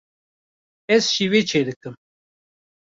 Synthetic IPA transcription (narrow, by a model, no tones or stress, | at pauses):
ɛzʃivet͡ʃʰed̪ɨkɨm